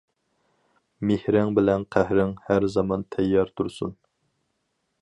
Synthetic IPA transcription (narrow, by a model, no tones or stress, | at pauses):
mehɾɪŋbɪlɛnqʰæhɾɪŋhæɾzɑmɑnt̪ʰɛjːɑɾt̪ʰuɾsṵn